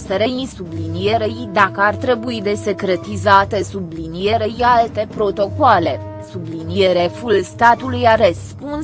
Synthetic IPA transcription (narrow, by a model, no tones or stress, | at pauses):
seɾeinsublinije̞ɾejd̪akəart̪ɾe̞buid̪e̞sekɾe̞t̪izat̪esublinije̞ɾejalt̪e̞pɾo̞t̪o̞koale̞ | sublinije̞ɾefulst̪at̪ulujaɾəspun